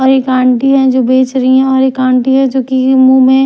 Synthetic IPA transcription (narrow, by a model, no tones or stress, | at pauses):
ɔːɾekãːɳʈiɦɛ̃d͡ʒoːbeːt͡ʃɾɐɦiɦɛ̃ɔːɾekãːɳʈiɦɛ̃d͡ʒoːkimũmẽ